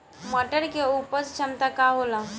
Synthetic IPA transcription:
məʈəɾkeupət͡st͡ʃʰənt̪akaɦola

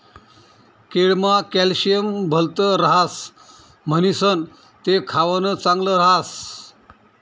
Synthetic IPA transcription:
keɽmakɛlɕijəmbʱəlt̪əɾəɦas | m̤ənisən | t̪ekʰaʋənət͡sãŋɡləɾəɦas

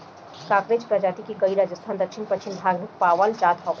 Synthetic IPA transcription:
kaːkɾed͡ʒpɾad͡ʒaːt̪ikikəiɾaːd͡ʒəst̪ʰaːnd̪əkʃʰɪnpəkʃʰɪnbʱaːɡnik̚paːʋəld͡ʒaːt̪ɦɔ

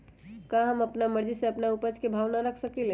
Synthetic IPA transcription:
kaɦəməpnaməɾd͡ʒiseɐpnaupəd͡ʒkebʱaːʋnaɾəkʰsəkele

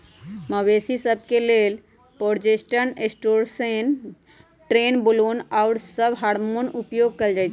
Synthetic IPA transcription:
məwesisəb̚ʱkelel | poɾd͡ʒesʈənesʈoɾsen | ʈɾenbolonaʊɾsəbɦaɾmonupjoɡ̚kəld͡ʒajt͡ʃʰ

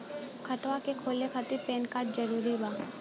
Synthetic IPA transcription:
kʰəʈ̪ʋakekʰoːlekʰət̪ipeːnkaːɾʈ̚d͡ʒəɾuːɾibaː

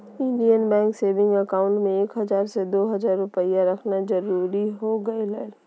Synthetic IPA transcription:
ɪ̃ɳɖijənbɛ̃ːŋkseːʋɪ̃ŋɡɐkaːʊ̃ɳʈmẽeːkɦɐzaːɾsed̪oːɦɐzaːɾːʊpəijaɾɐkʰnazɐɾuːɾiɦoɡɐelal

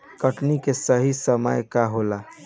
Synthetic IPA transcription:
kəʈnikesəɦisəmə̰jkaɦola

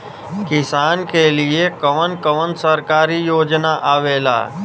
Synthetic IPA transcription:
kɪsaːnkeliekəʋənkəʋənsəɾkaːɾijoːd͡ʒnaʔaːʋeːla̰ː

